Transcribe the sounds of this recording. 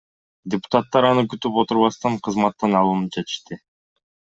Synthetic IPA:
dʲɪpʊ̥t̪at̪ːɑɾɑnɯkyt̪ypo̞t̪uɾβɑst̪ɑɴqʰɯzmɑt̪ːɑnɑlˠunɯp̚d͡ʒet̪ɨ̥ʃt̪ɪ

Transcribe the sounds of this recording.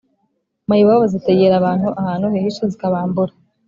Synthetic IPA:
majiβaβoziteɟeɾaβaːn̥huʔahaːnuhehiʃozikaβaːmbuɾa

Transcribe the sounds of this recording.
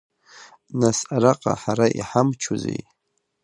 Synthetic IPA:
nasaɾaqʼa̰ħaɾaʔiħamt͡ʃʰuzḛj

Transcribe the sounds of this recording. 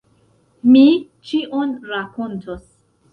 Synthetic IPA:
mi | t͡ʃiʔonɾakontʰos

